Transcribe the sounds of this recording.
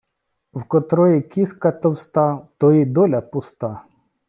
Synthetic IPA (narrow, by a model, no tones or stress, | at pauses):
wkɔt̪ɾɔjikʲiskɐt̪ɔwst̪ɑt̪ɔid̪ɔlʲɐpʊst̪ɑ